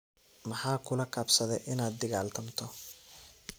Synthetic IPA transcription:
mɑħɑːkʰʊlɐkʰɐbsɐðɛjʔɪnaːd̪̚ːɪɣaːlt̪ʰɐmt̪ʰɔ

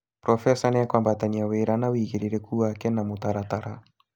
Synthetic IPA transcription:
pɾɔfɛsanɛakwambat̪aniaweɾanawiɣiɾiɾɛkuwakɛnamut̪aɾat̪aɾa

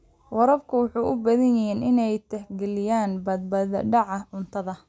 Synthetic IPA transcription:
wɑɾɐbkʰʊwʊħuːʔʊbɐðɐnjɪɦinɪnɛjt̪ʰɛhɡɛlɪjaːnbɐd̪̚bɐðɐ̰ɖɑʕɑʕʊnt̪ʰɐðɐ

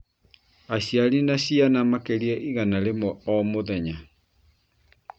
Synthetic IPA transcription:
aɕjaɾinaɕianamakeɾiɛʔiɣanaɾemɔɔmoðɛɲa

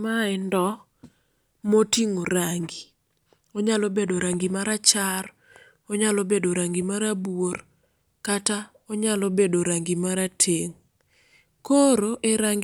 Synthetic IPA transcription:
maɛndɔ | motiŋoɾaŋɡi | oɲalɔbedoɾaŋɡimaɾat͡ʃar | oɲalɔbedoɾaŋɡimaɾabwor | kata | ɔɲalɔbedoɾaŋɡimaɾatʰeŋ | koɾoʔeɾaŋɡ

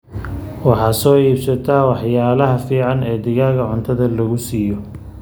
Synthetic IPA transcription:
wɑħɑːsɔːiːbsɐt̪ʰaːwɑħjaːlɐɦɐfiːʕɑnɛːd̪ɪɣaːɣɐʕʊnt̪ʰɐðɐlɐɣʊsiːjɔ

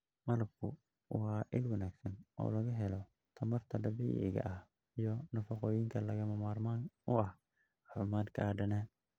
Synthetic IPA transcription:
mɐlɐb̚kʰʊ | ʔʊhaːʔɪlwɐnaːɡsɐnɔ̰ːlɐɣɐɦɛlɔ | t̪ʰɐmɐrt̪ʰɐdɐbḭːʔɪ̰ɣɐ̰ʔɐh | jɔnɐfɐqɔːjɪŋkʰɐlɐɣɐmɐmaːrmanʊɐh | ħɪmaːd̪kʰaːɖɐnɛː

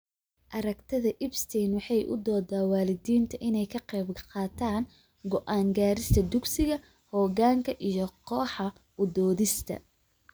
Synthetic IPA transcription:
ʔɐɾɐɡt̪ʰɐðɐʔɪbst̪ʰɛːnwɑħɑjʔʊ̰d̪ɔːd̪aːwɑːlɪd̪iːnt̪ʰɐʔɪnɛjkʰɐqɛːbqɑːt̪ʰaːn | ɡɔʔaːŋɡaːɾɪst̪ʰɐd̪ʊɡsɪɣɐ | hɔːɣaːŋkʰɐʔijɞqɔːħɑ | ʊd̪ɔːðɪst̪ʰɐ̰

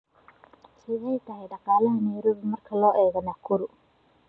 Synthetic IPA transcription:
kʰiːhɛjt̪ɐhɛjɗɑqaːlɐɦɐnɛjɾɔβɪmɐrkʰɐlɔːʔɛːɣɐnɐkʰʊɾʊ

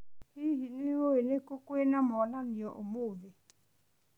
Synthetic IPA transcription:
hiɦinioenekokwenamɔlanijɔʔomove

